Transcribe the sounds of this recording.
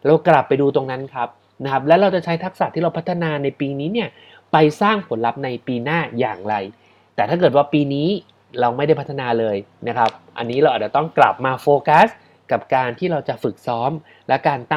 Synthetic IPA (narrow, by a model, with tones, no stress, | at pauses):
ɾa˧wkla˨˩pːa˧jduː˧t̪o˧ŋna˦˥nkʰa˦˥p̚ | na˦˥kʰa˦˥p̚lɛ˦˥wɾa˧wt͡ɕa˨˩t͡ɕʰa˦˥jt̪ʰa˦˥k̚sa˨˩t̪ʰːiː˥˩ɾa˧wpʰa˦˥t̪ʰːa˧naː˧na˧jpiː˧niː˦˥ni˥˩ɐ | pa˧jsaː˥˩ŋpʰo˩˦nla˦˥p̚na˧jpiː˧naː˥˩ja̰ː˨˩ŋɾa˧j | t̪ɛː˨˩t̪ʰa˥˩kɤː˨˩t̪̚waː˥˩piː˧niː˦˥ | ɾa˧wma˥˩jda˥˩pʰt̪ʰa˧naː˧lɤː˧jna˦˥kʰa˦˥p̚ʔa̰˧nːiː˦˥ɾa˧wʔaː˨˩t͡ɕa˨˩t̪ɔ˥˩ŋkla̰˨˩p̚maː˧foː˧ka˦˥s | ka˨˩p̚kaː˧nt̪ʰiː˥˩ɾa˧wt͡ɕa˨˩fɯ˨˩k̚sɔː˦˥m | lɛ˦˥kaː˧nt̪a˥